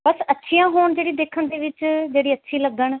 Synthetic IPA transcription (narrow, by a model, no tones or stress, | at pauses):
bəsətːʃʰĩːãːɦoːɳd͡ʒeːɽiːd̪eːkʰənd̪eːʋɪt͡ʃd͡ʒeːɽiːətːʃʰiːləɡəɳ